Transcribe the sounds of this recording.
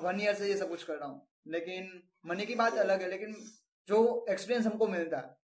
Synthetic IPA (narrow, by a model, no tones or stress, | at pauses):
ʋɐnijəɾsejesɐb̚kʊt͡ʃʰkɐɾɾaːɦũ | leːkɪn | mɐnekibaːt̪ɐləɡɦɛleːkɪn | d͡ʒoːekspiːɾiə̃ns̬ɦɐmkomɪlt̪aɦɛ